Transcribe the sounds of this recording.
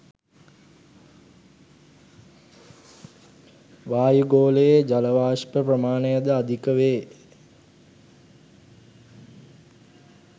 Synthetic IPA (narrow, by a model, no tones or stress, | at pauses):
ʋaːjuɡoːləjed͡ʒaləʋaːʃpəprəmaːnəjəd̪əad̪ʱikəʋeː